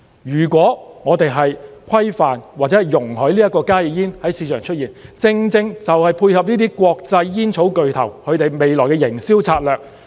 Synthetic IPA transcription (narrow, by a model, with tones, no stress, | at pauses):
jyː˨˩kʷɔː˨˥ŋɔː˨˧t̪e˨jɦɐ˨jkʰɐ˥jfaː˨nwaː˨˩t͡sɛː˨˥˨jjʊ˨˩ŋhɵ˨˥li˥ɐ˥t̚kːɔː˧kaː˥ji˨˩jiː˥nhɐ˨˥jsiː˧t͡ʃʰœː˨˩ŋt͡ʃʰt̚jiː˨˩nt͡sɪ˧ŋt͡sɪ˧ŋt͡sɐ˨whɐ˨jpʰuː˧jhɐ˨p̚niː˥t̪iː˥kʷɔː˧k̚t͡sɐ˧jːiː˥nt͡sʰo˨˥wkɵ˨ɥt̪ʰɐ˨˩wkʰɵ˨˧ɥt̪e˨jme˨jlɔː˨˩jkɛ˧jɪ˨˩ŋsiː˥wt͡sʰaː˧t̚lœː˨˩k̚